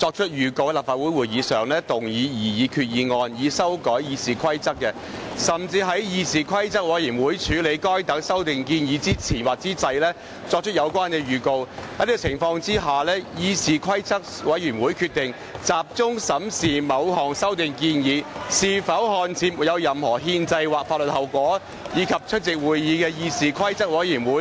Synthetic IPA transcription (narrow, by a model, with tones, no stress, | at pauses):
t͡sɔː˧k̚t͡ʃʰɵ˥t̚jyː˨˩ko˧wɛ˧laː˨p̚faː˨t̚wu˨˥jwuː˨˩iː˨˧sœː˨˩ŋlɛː˥t̪ʊ˨˩ŋjiː˨˧jiː˨˩jiː˨˧kʰyː˧t̚jiː˨˧ŋɔː˧njiː˨˧sɐ˥wkɔː˨˥jjiː˨˧siː˨kʰwɐ˥jt͡sɐ˥k̚ːɛ˧ | sɐ˨˩mt͡siː˧ɦɐ˨˥jjiː˨˧siː˨kʰɐ˥jt͡sɐ˥k̚wɐ˨˧jiː˨˩wuː˨˥jt͡ʃʰyː˨˥le˨˧jkɔː˥jt̪ɐ˨˥ŋsɐ˥wt̪ɪ˨ŋkiː˧njiː˨˧t͡siː˥t͡sʰiː˨˩nwaː˨k̚t͡siː˨˥t͡sɐ˧jlɛː˥ | t͡sɔː˧k̚t͡ʃʰɵ˥t̚jɐ˨˧wkwaː˥nkɛ˧jyː˨˩ko˧whɐ˨˧jliː˥kɔ˨t͡sʰɪ˨˩ŋfɔː˧ŋt͡siː˥ɦaː˨lɛː˥jiː˨˧siː˨kʰwɐ˥jt͡sɐ˥k̚wɐ˨˥jyː˨˩nwuː˨˥jkʰy˧t̚t̪ɪ˨ŋ | t͡saː˨p̚t͡sʊ˥ŋsɐ˨˥msiː˨mɐ˨˧wɦɔː˨˩ŋsɐ˥wt̪ɪ˨ŋkiː˧njiː˨˧siː˨fɐ˨˥wɦɔː˨˧nt͡sʰiː˨˥m˨˩jɐ˨˧wjɐ˨mhɔː˨˩ɦiː˧nt͡sɐ˧jwaː˨k̚fa˧lə˨t̚hɐ˨wkʷɔː˨˥ | jiː˨˧kʰɐ˨p̚t͡ʃʰɵ˥t̚t͡sɪ˨k̚wuː˨jːiː˨˧kɛː˧jiː˧siː˨˩kʰɐ˥jt͡sɐ˥k̚wɐ˨˥jiː˨˩nwuː˨˥